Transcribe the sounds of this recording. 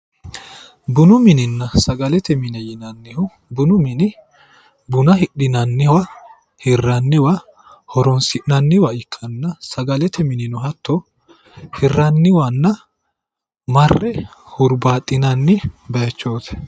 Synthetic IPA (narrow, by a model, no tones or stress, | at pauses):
bʊnʊmɪnɪnːɐsɐɡɐlɛt̪ʰɛmɪnɛjɪnɐnːɪhʊ | bʊnʊmɪnɪ | bʊnɐɦɪɗɪnɐnːɪwɐ | hɪrːɐnːɪwɐ | hɔɾɔnsɪʔnɐnːɪwɐɪkʰːɐnːɐsɐɡɐlɛt̪ʰɛmɪnɪnɔɦɐt̪ːo | hɪrːɐnːɪwɐnːɐ | mɐrːɛhʊɾbaːt̪ʼːɪnɐnːɪbɐjɐt͡ʃːoːt̪ɛ̥